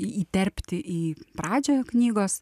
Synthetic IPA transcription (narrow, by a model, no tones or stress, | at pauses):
iiːt̪ʲɛɾʲpʲt̪ʲɪʔiːpɾɑːd͡ʒʲoːjknʲiːɡoːs